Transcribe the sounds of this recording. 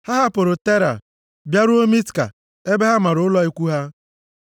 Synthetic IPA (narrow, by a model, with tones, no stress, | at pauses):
ha˦ɦa˦pʊ˨ɾʊ˨te˦ɾa̰˨ | bja˦ɾʊ˦o˦mi˦tka̰˨ | e˦be˦ɦa˦ma˨ɾʊ˨ʊ˦lɔ˦i˦kʷu˦ɦa˦